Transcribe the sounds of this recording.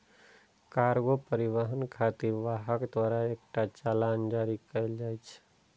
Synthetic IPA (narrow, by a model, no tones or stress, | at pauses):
kaɾɡopəɾiʋəɦənkʰat̪iɾʋaɦəkd̪waːɾaek̚ʈat͡ʃaland͡ʒaɾikəɪld͡ʒaːjt͡ʃʰ